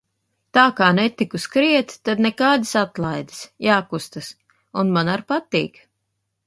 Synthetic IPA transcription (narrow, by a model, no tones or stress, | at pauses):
t̪aːkaːnɛt̪ikuskɾiɛt̪t̪ad̪nɛkaːd̪isat̪lˠajd̪ɨ̥sjaːkust̪as | unmanaɾpat̪iːk